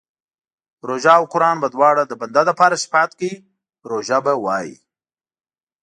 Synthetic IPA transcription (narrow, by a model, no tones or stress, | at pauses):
ɾoʒaːwqʊɾɑːnbad̪wɑːɽad̪əband̪ad̪əpɑːɾaʃɪ̥fɑt̪kii | ɾoʒabawɑːjḭ